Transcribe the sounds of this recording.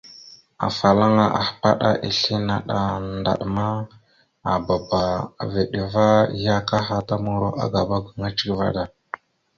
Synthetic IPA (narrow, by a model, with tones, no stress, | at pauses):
a̰˨fa˨la˦ŋa˨ʔa̰˨hpa̰˦ɗa̰˦ʔi˨ɬi˦na˨ɗa˨nda̰˨ɗma˦ | a˨ba˨ba˨ve˨ɗi˨va˦ja˦ka˦ɦa˨ta˦mu˨ɾo˦ʔa̰˦ɡa˨ba˦ɡu˨ŋa˦t͡ʃi̥˦kva̰˦ɗa˨